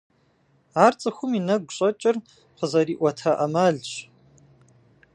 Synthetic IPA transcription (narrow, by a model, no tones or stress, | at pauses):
aːrt͡sʼɨxʷʊminɐɡ̚ʷɕʼɐt͡ʃʼɪr | qəzɐɾiːʔʷɔtʰaʔɐmaːɮɕ